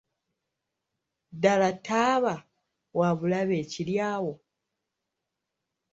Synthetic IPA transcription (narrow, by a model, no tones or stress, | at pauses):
dalataːβa | waβulaβe̞ːciljaːwo̞